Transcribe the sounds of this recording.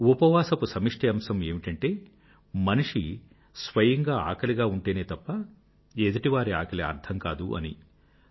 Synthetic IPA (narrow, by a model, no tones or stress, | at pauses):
upɐʋaːsɐpusɐmiʂʈʰɐɐmsɐme̞ːmiʈɐɳʈe̞ː | mɐniʂi | sʋɐjɐŋɡaːa̰ːkɐliɡaːuɳʈeːneːt̪ɐpːɐ | ed̪ɐʈiʋaːɾia̰ːkɐliɐ̰ɾd̪ʰɐŋkaːd̪ṵʔɐ̰nḭ